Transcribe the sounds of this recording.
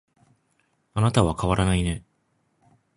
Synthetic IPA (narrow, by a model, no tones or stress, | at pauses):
anat̪aβakaβaɾanaine̞